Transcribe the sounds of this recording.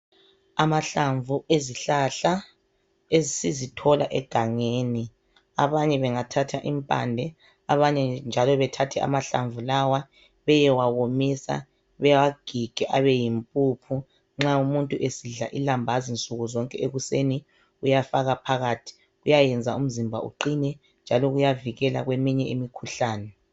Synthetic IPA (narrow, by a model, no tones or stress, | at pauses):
amaɬaɱvueziɬaɬa | ezisizitʰɔla̰ʔɛ̰ɡ̥ʱaŋeːni | a̰βaɲɛβɛŋatʰatʰaʔimpʼa̰ndʱɛ | aβaɲɛnd͡ʒʱalɔβɛtʰatʰɛa̰maɬa̰ɱvulawa | βɛjɛwawomisa̰ | βɛwaɡ̥ʱiɡ̥ʱɛʔaβɛjimpʼupʰu | ŋ͡ǁaumuntʼuʔesiɮaʔilambʱazint͡sʼuɣuzɔŋkʼɛeɣuseni | ujafaɣapʰaɣaːtʰi̥ | ɣujajɛnd͡zʱaum̩zimbʱa̰ṵǃinɛ | nd͡ʒʱalɔɣujaviɣɛla̰ɣwemiɲɛimikʰuɬaːnɛ